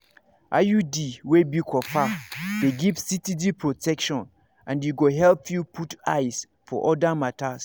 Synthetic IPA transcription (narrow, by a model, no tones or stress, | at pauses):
ʔa̰judiwebikʰɔfadeɡivsitidipʰɹotʰɛkʃɔ̃n | ãnjuɡoɦɛlpʰjupʰutaɪs | fɔʔɔdamãtʰas